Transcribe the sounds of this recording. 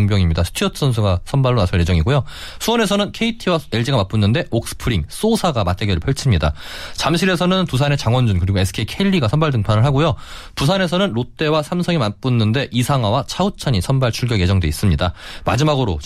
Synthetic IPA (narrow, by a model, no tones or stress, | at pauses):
ŋbjʌŋimɲidasʰɯ̥tʰiʌtʰɯ̥sʰʌns̬ʰuɡasʰʌnbaɭːonasʰɯɭje̞d͡ʑʌŋiɡojo | sʰuwʌne̞s̬ʰʌnɯnkʰe̞itʰiwaeɭd͡ʑiɡamap͈unːɯnde̞ʔok̚s͈ɯ̥pʰɯɾiŋs͈osʰaɡamat͈eɡʌɾɯɭpʰʌɭt͡ɕʰimɲida̰t͡ɕamɕʰiɾe̞s̬ʰʌnɯntusʰane̞t͡ɕaŋwʌnd͡ʑunkɯɾiɡoe̞sʰɯ̥kʰe̞ikʰeʎːiɡasʰʌnbaɭdɯŋpʰanɯɭɦaɡojopusʰane̞sʰʌnɯnɾot͈e̞wasʰamsʰʌŋimap͈unːɯnde̞ʔisʰaŋɦwawat͡ɕʰaut͡ɕʰaɲisʰʌnbaɭt͡ɕʰuɭɡjʌje̞d͡ʑʌŋdwe̞is͈ɯmɲidama̰d͡ʑimaɡɯɾo̰t͡ɕ